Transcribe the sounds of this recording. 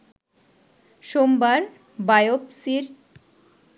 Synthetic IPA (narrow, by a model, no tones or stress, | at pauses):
ʃombaɾ | bajopsiɾ